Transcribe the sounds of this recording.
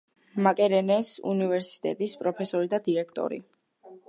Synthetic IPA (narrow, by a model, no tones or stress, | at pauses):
makʼɛɾɛnɛsṵnivɛɾsi̥t̪ʼɛ̰t̪ʼispʼɾɔpʰɛsɔɾid̪ad̪iɾɛkʰt̪ʼɔ̰ɾḭ